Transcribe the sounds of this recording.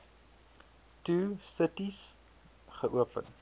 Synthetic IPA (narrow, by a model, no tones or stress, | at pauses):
tuːsətis | χəʔuəpə̰n